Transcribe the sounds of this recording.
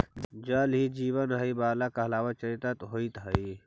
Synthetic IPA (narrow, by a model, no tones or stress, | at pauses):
d͡ʒɐlɦid͡ʒiːbɐnɦɐibaːlakɐɦɐlaːwɐt͡ʃɐɾit̪ɐt̪ɦoit̪ɦɐi